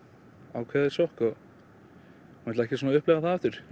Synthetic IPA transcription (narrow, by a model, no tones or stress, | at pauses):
aːwkʰvɛːðɪsɔhkɔ | mɛlaɛhcɪsuːnaʏhplɛɣaθaaft̪ʏɾ̥